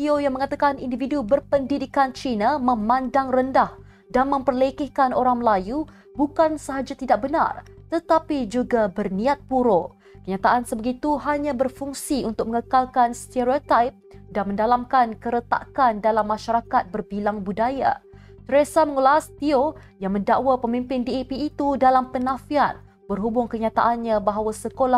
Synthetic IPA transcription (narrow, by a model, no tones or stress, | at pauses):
t̪iojaŋməŋat̪akanindividubərpəndidikant͡ʃinamə̃mãndaŋrəndah | danmə̃mpərlekɪhkanoɾaŋməlaju | bukansəɦad͡ʒat̪idak̚bəna̰rt̪ət̪apid͡ʒuɡabərnĩat̪̚puɾo | kəɲat̪aʔansəbəɡit̪uɦaɲãbərfuŋsiunt̪ʊk̚məŋəkalkanst̪eɾiot̪ajp̚danmə̃ndalamkankəɾət̪a̰ʔkandalamːãʃaɾakat̪̚bərbilaŋbudaja̰ | t̪əɾesaməŋəlast̪iojaŋmə̃ndaʔwapəmĩmpɪndiepiːt̪udalampənãfiat̪̚ | bərɦubʊŋkəɲat̪a̰ʔanɲãbaɦawasəkola